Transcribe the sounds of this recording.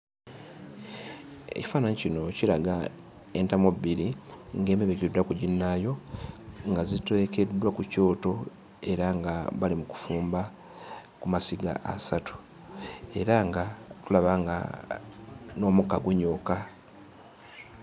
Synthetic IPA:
ḛci̥faːnaɲicino̞cilaɡa | e̞ntamobiɾiŋɡe̞ːmeβekidwakuɟinːajo̞ | ŋɡazitwe̞ke̞dːwakuco̞ːto̞ | e̞ɾaŋɡaβalimuku̥fuːmba | kumasiɡa̰ʔa̰satu̥ | e̞̰ɾaŋɡatulaβaŋɡa̰ | no̞ːmukaɡuɲoːka

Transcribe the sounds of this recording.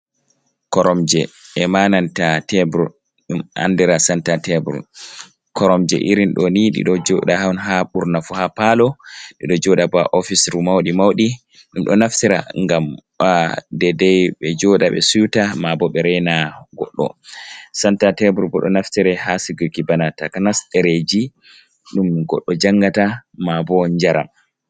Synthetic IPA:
kɔɾɔmd͡ʒɛɛmanantatɛbɾu | ɗuma̰ndiɾasantatɛbɾṵ | kɔɾɔmd͡ʒɛ̰ʔiɾinɗɔniɗḭɗɔd͡ʒɔɗahanɦaɓuɾnafuhapalɔɗiɗɔd͡ʒɔɗabaʔɔfisɾumawɗimawɗi | ɗumɗɔnaftiɾa̰ŋɡam | dɛdɛjɓɛd͡ʒɔɗaɓɛ̰sujutamabɔɓɛɾɛnaɡɔ̰ɗːɔ̰santatɛbuɾbɔɗɔnaftiɾɛhasiɡɔɡibanatakanastɛɾed͡ʒi | ɗumɡɔ̰ɗːɔd͡ʒaŋɡatamabɔɲd͡ʒaɾa̰m

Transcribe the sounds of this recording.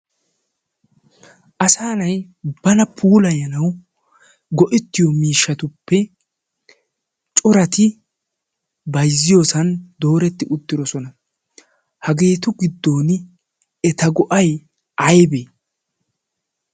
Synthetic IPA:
ʔɐsaːnɐj | b̥ɐnɐpʰuːlɐjɐnɐw | ɡɔʔɪt̪ːɪjɔmiːʃːɐt̪ʊpːɛ | t͡ʃʼɔɾɐt̪ɪ | bɐjzːɪjo̞ːsɐnd̪o̞ːɾɛt̪ːɪʔʊt̪ːɪd̪ɔsɔnɐ | hɐɡe̞ːt̪ʊɡɪd̪ːo̞ːn | ɛt̪ɐɡɔʔɐj | ɐjbe

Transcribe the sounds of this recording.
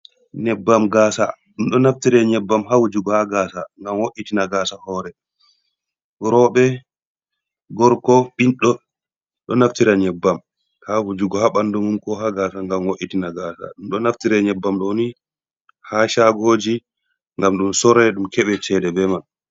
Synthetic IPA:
nɛbːamɡaːsa̰ɗumɗɔnaftiɾɛɲɛbːamɦawud͡ʒuɡɔhaɡasaŋɡamwoʔitinaɡaːsahɔɾɛ | ɾɔɓɛ | ɡɔɾkɔɓinɗɔ | ɗɔnaftiɾaɲɛbːam | hawud͡ʒuɡɔhaɓandumumkɔɦaɡaːsaŋɡamwoʔːitinaɡaːsa̰ɗumɗɔnaftiɾɛɲɛbːamɗɔni | haʃaɡoːd͡ʒi | ŋɡamɗumsɔɾɛɗumkɛɓɛt͡ʃɛdɛbɛman

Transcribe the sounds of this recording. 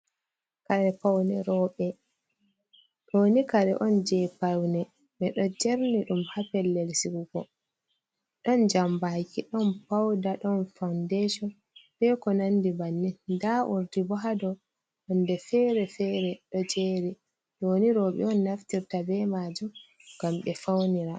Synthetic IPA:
kaɾɛpawnɛɾɔɓɛ | ɗoːnikaɾɛ̰ʔɔnd͡ʒɛpawnɛ | mɛɗɔd͡ʒɛɾniɗumhapɛlːɛlsiɡuɡɔ | ɗɔnd͡ʒambakiɗɔnpawdaɗɔnfawndɛʃɔ | bɛkɔnandibanːidaʔṵɾdibɔɦadɔ | ɔndɛfɛɾɛfɛːɾɛɗɔd͡ʒeːɾi | ɗoːniɾɔɓɛ̰ɔnːaftiɾtabɛmad͡ʒɔɡ̥amɓɛfawniɾa

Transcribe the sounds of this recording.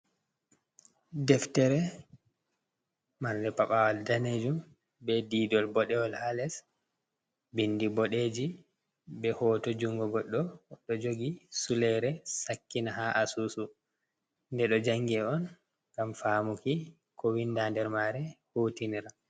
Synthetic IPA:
dɛftɛɾɛ | maɾdɛpaɓawaldaned͡ʒum | bɛdidɔlbɔɗɛwɔlhalɛs | bindibɔɗed͡ʒi | bɛhɔːtɔd͡ʒuŋɡɔɡɔɗːɔɗɔd͡ʒoɡisulɛɾɛsakːinahaʔasuːsu | ndɛɗɔd͡ʒaŋɡɛɔn | kamfaːmuki | kɔwindandɛɾmaɾɛhuːtiniɾa

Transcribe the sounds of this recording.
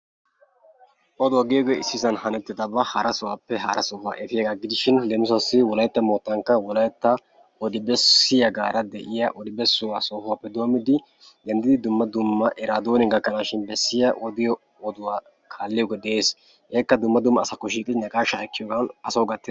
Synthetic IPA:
ʔɔd̪ʊwɐɡɪjɔɡeɪsːɪsɐnhɐnɛt̪ːɪd̪ɐbɐhɐɾɐsɔwaːpːɛɦɐɾɐ̰sɔfa̰ːʔɛt̪ɪjɐɡaɡɪd̪ɪʃɪnlɛmʊs̬ɐsːɪwɔlɐjt̪ːɐmoːt̪ːɐŋkːɐwɔlɐjt̪ːɐ | ɔd̪ɪbɛsːɪjɐɡaːɾɐd̪ɛʔɪjɐʔɔd̪ɪbɛsːʊwasoːfwapːɛd̪oɐmɪd̪ɪ | d̪ɛnd̪ɪd̪ɪd̪ʊmːɐd̪ʊmːɐʔɛɾaːd̪oːnɪɡɐkːɐnaːʃɪnbɛsːɪjɐʔɔd̪ɪjɔ | ɔd̪ʊwaː | kʰaːlːɪjɔɡɔd̪ɛeːs | ʔeːkːɐd̪ʊmːɐd̪ʊmːɐːsɐkːɔʃ̬iːkʼɪd̪ɪnɐkʼaːʃɐkːɪjoːɡɐnɐsɐwɡɐt̪ːɪ

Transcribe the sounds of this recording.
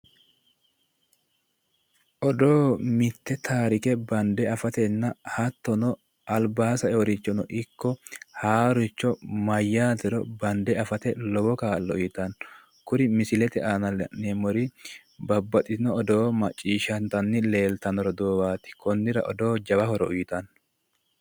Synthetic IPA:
ʔɔd̪oːmɪt̪ːɛt̪ʰaːɾɪkɛbɐnd̪ɛɐfɐt̪ɛnːɐhɐt̪ːɔnɔ | ʔɐlbaːsɐɛɔɾɪt͡ʃːɔnɔʔɪkːɔhaːɾʊɪt͡ʃːɔmɐjːaːt̪ɛɾɔbɐnd̪ɛɐfɐt̪ɛlɔbɔkaːlːɔ̰ʊjɪt̪ɐn | kʊɾɪmɪsɪlɛt̪ɛʔanɐnemɔɾɪ | bɐbːɐt̪ʼɪnɔɔd̪o̞ːmɐt͡ʃʼːiːʃɐnt̪ɐnːɪle̞ːlt̪ɐnɔɾɔd̪oːbaːt̪ɪ̥kɔnːɪɾɐ̰ʔɔd̪o̞ːd͡ʒɐbɐhɔɾɔʔʊjɪt̪ɐn

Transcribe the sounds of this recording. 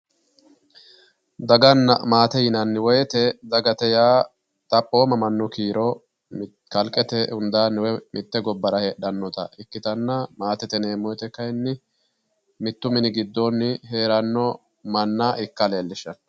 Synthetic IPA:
d̪ɐɡɐnːɐmaːt̪ɛjɪnɐnːɪwɔjɛt̪ɛd̪ɐɡɐt̪ɛjaː | t̪ʼɐpʼːoːmɐmɐnːɔkiːɾɔ | kɐlkʼːɛt̪ɛʊnd̪aːnɛwɛmʔɪt̪ːɛɡɔbːɐɾɐheᶑɐnːɔt̪ɐ̰ɪkːɪt̪ɐnːɐmaːt̪ɛt̪ɛneːmɔjt̪ɛkɐjnːɪ | mɪt̪ːʊmɪnɪɡɪd̪ːonːɪɦe̞ːɾɐnːɔ | mɐnːaːʔɪkːɐle̞ːlːɪʃɐn

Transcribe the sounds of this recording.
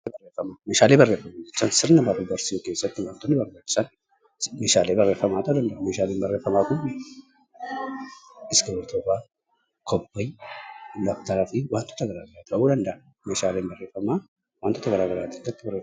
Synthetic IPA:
bɐreːfɐmaːmeːʃaːleːbɐrːeːfːɐmaːd͡ʒɛt͡ʃːaːnsɪɾnɐbɐrːubɐɾsɪjoke̞ːsːɐt̪ːɪwaːnt̪ːɔnːɪbɐrbaːt͡ʃːɪ̥sɐn | meːʃaːleːbɐrːeːfɐmaːt̪ɐd̪ɐnd̪ɐʔɐmeːʃaːleːnbɐrːeːfɐmaːkʊn | ɪsɡɐbɐɾt̪ʰoːfaː | kʰɔbːɐj | lɐft̪ɐɾɐfiwaːnt̪ʰːɔ̥t̪ɐɡɐɾaːɡɐɾaːt̪ɐʔuːd̪ɐnd̪ɐʔɐ | meːʃaːleːnbɐrːe̞ːfɐmaː | waːnt̪ːɔt̪ɐɡɐɾaːɡɐɾaːt̪ɪdɐt̪ːɪbɐre

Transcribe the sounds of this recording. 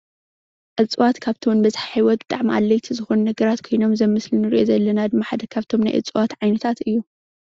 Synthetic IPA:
ʕɨt͡sʼɨwat̪kʰaβt̪ʰiwnbɐzħaħijwɔt̪̚bɨt̪ʼaʕmiʔa̰lːɐjt̪ʰizɨxunnɐɡɐɾat̪kʰojno̞mzɐmːɨslɨnɨɾḭʔo̰zɐlːɐnad̪ɨmːaħad̪ɐkʰaβt̪ʰo̞mna̰jʔɨ̰t͡sʼwat̪ʕajnɐt̪ʰat̪ɨjːu

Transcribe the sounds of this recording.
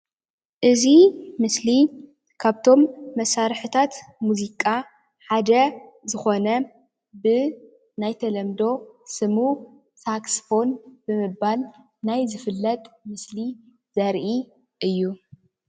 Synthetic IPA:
ʔɨzimɨsli | kʰaβt̪ʰo̞mːɐsaɾħɨt̪ʰat̪muzikʼa | ħad̪ɐzɨxo̞nɐ | bɨ | najt̪ʰɐlɐmd̪o̞sɨmu | saksfo̞nbɨmɨːal | najzɨfɨlːɐt̪ʼmɨsli | z̥ɐɾʔi | ʔɨjːu

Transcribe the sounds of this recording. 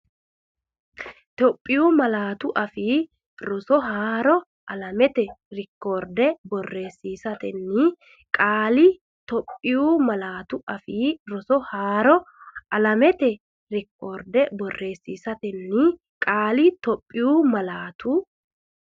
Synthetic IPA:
t̪ɔpʼːɪjuːmɐlaːt̪ʊʔɐfiː | ɾɔsɔɦaːɾɔ | ʔɐlɐmɛt̪ɛɾɪkːoːɾd̪ɛbɔrːe̞ːsːiːsɐt̪ɛnːi | kʼaːlɪ | t̪ɔpʼːɪjuːmɐlaːt̪ʊɐfiːɾɔsɔhaːɾɔ | ʔɐlɐmɛt̪ɛ | ɾɪkːoːɾd̪ɛbɔrːe̞ːsːiːsɐt̪ɛnːi | kʼaːlɪt̪ɔpʼːɪjuːmɐlaːt̪ʰu

